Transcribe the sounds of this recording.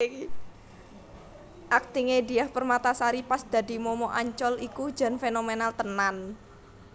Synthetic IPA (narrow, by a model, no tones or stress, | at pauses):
ʔak̚t̪iŋediahpərmat̪asaɾipasd̪̥a̤d̪i̤mɔmɔʔaɲt͡ʃɔliku̥d͡ʒa̤nfenomenalt̪ənan